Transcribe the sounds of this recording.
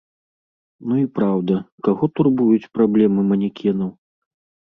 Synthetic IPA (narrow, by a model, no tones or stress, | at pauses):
nuipɾawd̪ɐkaɣɔt̪urbujut͡sʲpɾablʲɛmɨmɐnʲikʲʰɛnɐw